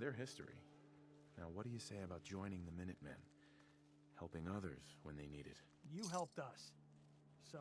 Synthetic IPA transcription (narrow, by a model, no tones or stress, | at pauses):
ðə˞ɦɪstḭ | naʊwʌt̚d̥ɨjɨseɪɨbaʊt̚d̥ʒ̥ɔ̃ɪ̃ñɪ̃ŋðɨmɪ̃nɨt̚mɛ̰̃n | hɛlˠpɪ̃ŋʌðə̰˞z̥wə̃nðeɪniɾɨ̰d̥ | jɨɦɛlˠp̚tʌs | s